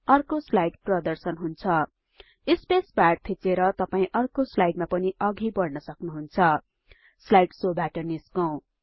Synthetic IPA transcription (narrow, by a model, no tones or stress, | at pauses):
ʌrkoslajʈprʌd̪ʌrsʌnɦunt͡sʰʌ | ispesbaɖ̚t̪ʰit͡seɾʌt̪ʌpaĩʔʌrkoslajɖ̚mapʌniʔʌɡʱibʌrnʌsʌknuɦunt͡sʰʌ | slajʈsobaʈʌniskʌw̃